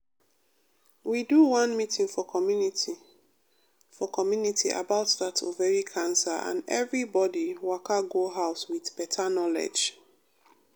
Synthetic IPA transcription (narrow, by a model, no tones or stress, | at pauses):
widuwãnmitĩŋfɔ | fɔkʰɔmjunitʰiʔa̰baʊtðatʰo̰vɛɹikʰãnsaʔã̰nɛvɹibɔdiwakaɡoɦaʊswiðpɛtʰanɔlɛ̰d͡ʒ